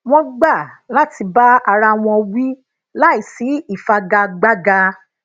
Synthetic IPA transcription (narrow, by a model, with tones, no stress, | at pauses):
w̃ɔ̃˦ɡ͡ba˦˨la˦ti˧ba˦a˧ɾa˧w̃ɔ̃˧wĩ˦ | la˦i˦˨si˨˦i˦˨fa˧ɡa˧ɡ͡ba˦ɡa˧